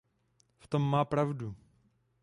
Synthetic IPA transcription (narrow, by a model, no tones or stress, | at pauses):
ft̪omːaːpɾavdu